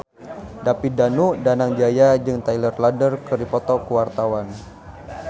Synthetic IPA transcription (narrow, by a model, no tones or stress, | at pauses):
dapidanudanaŋd͡ʒajad͡ʒɨŋt̪ajlərladərkəɾipɔt̪ɔkəwart̪awan